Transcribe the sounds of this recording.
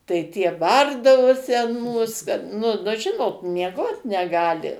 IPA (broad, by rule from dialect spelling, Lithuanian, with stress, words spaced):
tɐɪ ˈtʲiɛ ˈbɐrdɐʋoːsʲɪ ɐn ˈmuːs kɐt nʊ ˈnʊ ˈʒʲɪnoːt mʲiɛˈɡoːt nʲɛˈɡɑːlʲɪ